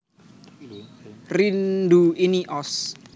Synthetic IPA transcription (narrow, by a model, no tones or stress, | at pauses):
rind̪uiniʔɔs